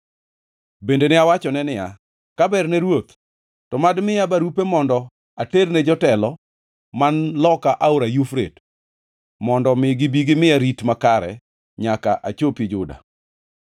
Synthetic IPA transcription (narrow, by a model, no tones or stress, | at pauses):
bendenɪawat͡ʃɔnɛnɪja | kabɛrnɛɾwot̪ | tɔmadmɪabaɾupemɔndɔ | aternɛd͡ʒɔtɛlɔ | manlɔkaʔauɾajufɾḛt | mɔndɔmɪɡɪbiɡɪmɪjaɾitmakaɾɛ̰ | ɲakaʔat͡ʃopid͡ʒʊda̰